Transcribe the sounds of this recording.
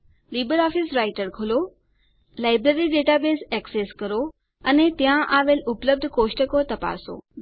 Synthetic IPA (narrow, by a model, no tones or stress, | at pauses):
liːbəɾɔːfɪsɾaːɪʈəɾkʰʊlo | laːɪbɾeːɾiɖeːʈabeːzeːkseːskɐɾo | ɐnet̪ijãʔaːʋelʊpləb̚d̪ʱkoːʃʈəkot̪ɐpa̰ːso̰ː